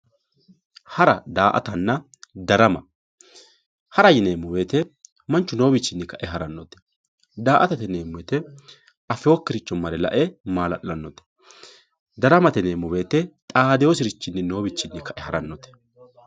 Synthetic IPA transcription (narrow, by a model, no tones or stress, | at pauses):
hɐɾɐ̰d̪aːʔɐ̰t̪ɐnːɐ | d̪ɐɾɐmɐ | hɐɾɐjɪneːmːʊwe̞ːt̪ɛ | mɐnt͡ʃːʊno̞ːbɪt͡ʃːɪnːɪkɐʔɛɦɐɾɐnːɔt̪ɛ̥ | d̪aːʔɐt̪ɐt̪ɛneːmʊwɛt̪ɛ | ʔɐfɪoːkːɪɾɪt͡ʃːɔmːɐɾɛlɐ̰ʔɛmaːlɐ̰ʔlɐnːɔt̪ɛ̥ | d̪ɐɾɐmɐt̪ɛneːmʊwe̞ːt̪ɛt̪ʼaːd̪ɛjosɪɾɪt͡ʃːɪnːɪno̞ːbɪt͡ʃːɪnːɪkʰɐʔɛhɐɾɐnːɔt̪ɛ̥